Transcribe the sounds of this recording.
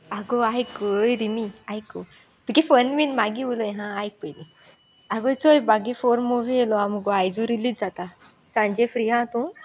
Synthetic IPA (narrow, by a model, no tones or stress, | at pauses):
aɡoajkjɾimiajko | t̪ukifənʋinmaɡiʋuləjɦãajk̚pəjli | aɡojt͡sojbaɡifoɾmoʋielɔamuɡoajd͡zuɾilit̪d͡zat̪a | sãɲd͡ʑefɾiɦãt̪u